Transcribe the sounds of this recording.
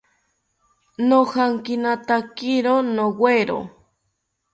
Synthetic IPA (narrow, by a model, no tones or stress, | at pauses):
nohaŋkinat̪akiɾonowweɾo̰